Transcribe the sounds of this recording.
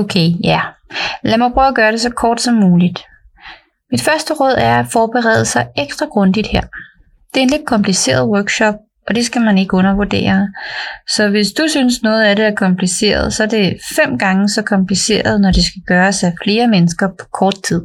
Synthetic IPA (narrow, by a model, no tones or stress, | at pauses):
okʰejælæmɑpʰʁœʊæɡ̥ɶːɐɾe̝sɒ̽kʰɒːd̥sɒ̽mːuːlid̥ | mid̥fɶɐsd̥əʁɔ̽ð̞̰ˠæɐæfɒːb̥eʁɛ̰ːðˠəsɑ̈ɪeɡ̥sd̥ʁɑɡ̥ʁɔ̽nd̥id̥heɐ̰ | d̥e̝ɐenled̥̚kʰɒ̽mpʰlise̝̰ːɐð̞ˠwœɐɡ̥ɕɒ̽b̥̚ | ɒ̽d̥e̝sɡ̥æmæne̝ɡ̥əɔ̽nɐʋuɐd̥e̝̰ːɐ | sɒ̽ʋe̝sd̥usynsnɔ̽ːð̞̩ˠæɾe̝æɐkʰɒ̽mpʰlise̝̰ːɐð̞̩ˠsɒ̽æɐd̥e̝fem̰ɡ̥ɑ̈ŋəsɒ̽kʰɒ̽mplise̝̰ːɐð̞ˠnɒd̥e̝sɡ̥æɡ̥ɶːɐsæfle̝ːɐmenəsɡ̥ɐpʰɒ̥kʰɒːd̥̚t͡sʰið̞̰ˠ